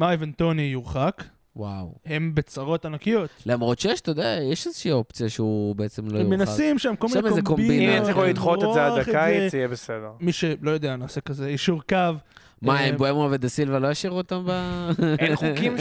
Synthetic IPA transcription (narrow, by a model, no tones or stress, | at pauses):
mavant̪o̞nijuʁχak | wawhe̞mbet͡saʁo̞t̪anakijo̞tlamʁotʃejɛʃt̪od̪ajɛʃezeʃiːo̞pt͡sijaʃeubeet͡se̞mlojmenasimʃamkolinemzemkombiniesliχulid̪χotezeaaaijebesed̪eʁmiʃelo̞jod̪eanaːsekazeiʃuʁkav | maemboemuaved̪asilvelojaʃiʁuotamba | ukim